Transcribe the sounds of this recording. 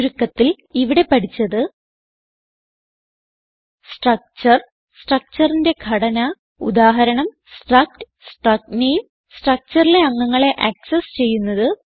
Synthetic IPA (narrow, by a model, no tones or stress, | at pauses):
ɾukːɐt̪ːil | iʋiɽe̞pɐʈʰit͡ɕːɐðɨ | sʈrɐk̚t͡ɕɐr | sʈrɐk̚t͡ɕɐrinde̞ɡʱɐɽɐnɐ | ṵd̪aːɦɐɾɐɳɐm | sʈrɐk̚ʈɨ̥ | sʈrɐk̚nejum | sʈrɐk̚t͡ɕɐrile̞ɐŋːɐŋːɐɭe̞ʔɐksest͡ɕe̞jːunːɐðɨ